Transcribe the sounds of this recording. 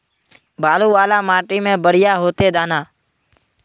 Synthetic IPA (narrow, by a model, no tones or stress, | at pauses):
baːluːʋaːlaːmaːʈiːmẽːbəɽ̤ɪjaːɦoːt̪eːd̪aːnaː